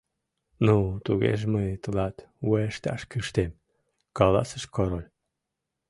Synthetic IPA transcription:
nut̪uɣḛʒmət̪əlɑt̪woeʃt̪ɑ̰ʃkɨʃt̪em | kɑlɑ̰səʃkoɾolʲ

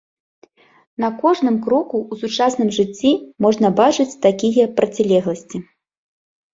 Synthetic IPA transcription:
nɐkɔʐnɨmkɾɔkuːsut͡ʂasnɨmʐɨt͡sʲːimɔʐnɐbat͡ʂɨt͡sʲt̪akʲijɐpɾɐt͡sʲilʲɛɣlˠɐsʲt͡sʲi

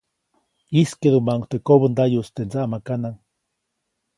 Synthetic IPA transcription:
iskeðumaŋkt̪ekoβənd̪ajust̪end͡zaʔmakanaŋ

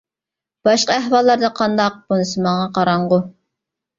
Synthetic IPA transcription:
b̥ɑʃqɑæhwɑlˠːɑɾd̪ɑqʰɑnd̪ɑq̚b̥unɨsɨmɑɴɑqʰɑɾɑɴʁʊ

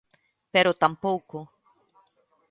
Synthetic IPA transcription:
peɾot̪ampowko

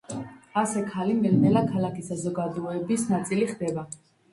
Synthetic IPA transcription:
asɛkʰalimɛlmɛlakʰalakʰisazɔɡad̪uɛbisnat̪sʼiliχd̪ɛba

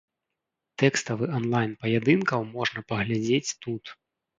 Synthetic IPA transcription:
t̪ɛkst̪ɐvɨɔnlˠajnpɐjad̪ɨnkɐwmɔʐnɐpɐɣlʲad͡zʲet͡sʲt̪ut̪

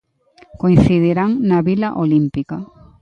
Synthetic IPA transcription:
koin̟θiðiɾaŋnaβilaʔolimpika

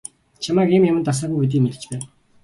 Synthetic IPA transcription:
t͡ɕʰamaːkiːmjamə̆t̪as̬aːxujpit̪̬iːmet̪ɘ̆t͡ɕpæːn

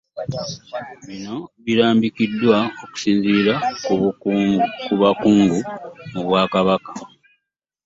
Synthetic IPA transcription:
βino̞βiɾaːmbikidːwao̞ku̥siːnziɾa | kuβakuːŋɡumuβwaːkaβakḁ

